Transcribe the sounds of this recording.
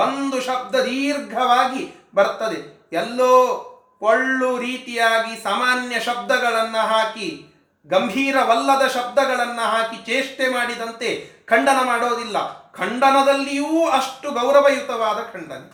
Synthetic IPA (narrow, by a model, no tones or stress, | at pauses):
ond̪uʃɐb̚d̪ɐd̪iːɾɡʱɐʋaːɡi | bɐɾt̪ːɐd̪e̞jɛlːoː | koɭːuɾiːt̪ijaːɡisaːmaːnjɐʃɐb̚d̪ɐɡɐɭɐnːɐɦaːki | ɡɐmbʱiːɾɐʋɐlːɐd̪ɐʃɐb̚d̪ɐɡɐɭɐnːɐɦaːkit͡ʃeːʂʈemaːɽid̪ɐnt̪e̞kʰɐɳɖɐnɐmaːɽoːd̪ilːɐkʰɐɳɖɐnɐd̪ɐlːijuːɐʂʈuɡɐwɾɐʋɐjut̪ɐʋaːd̪ɐkʰɐɳɖɐnɐ